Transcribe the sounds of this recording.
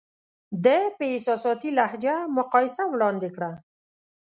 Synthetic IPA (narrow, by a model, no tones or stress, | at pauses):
d̪epəɪsɑsɑt̪ilahd͡ʒamʊqɑjɪsawɽɑnd̪ekɽa